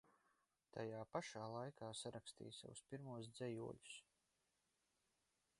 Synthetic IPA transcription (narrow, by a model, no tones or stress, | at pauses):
t̪ʰajaːpaʃaːlˠajkʰaːsaɾakst̪ḭːjsa̰wuspiɾmuɔsd̪zɛjṵɔʎu̥s